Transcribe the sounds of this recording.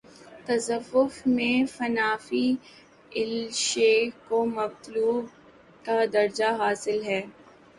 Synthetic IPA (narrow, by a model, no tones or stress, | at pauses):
t̪ɐzɐʋːʊfmẽfɐnaːfi | ɪlʃeːkomɐbt̪luːb̚ | kad̪ɐɾd͡ʒaɦaːsɪlɦɛː